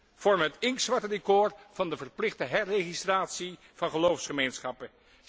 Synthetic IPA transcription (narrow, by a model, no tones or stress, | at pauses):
v̥ɔɹməɦətɪŋksʋɑɹtədekʊːɹv̥ɑndəvərplɪχdəɦɛrejχistraːtsi | v̥ɑnχəlowfsχəmejnsχɑpə